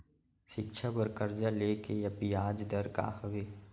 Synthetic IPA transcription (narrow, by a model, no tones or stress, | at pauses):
ʃɪkʃʰabəɾkəɾd͡ʒaleːkejɐpijaːd͡ʒd̪əɾka̰ːhəʋeː